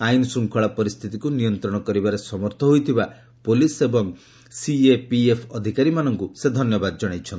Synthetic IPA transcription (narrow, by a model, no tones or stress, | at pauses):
ajinsuŋkʰɔɭapɔɾist̪ʰit̪ikunijɔnt̪ɾɔɽ̃ɔkɔɾibaɾesɔmɔɾt̪ʰɔɦojt̪ʰiba | polisebɔŋ | siepiepʰɔd̪ʱikaɾimanɔŋkused̪ʱɔnjɔbad̪d͡ʒɔɽ̃ajt͡ʃʰɔn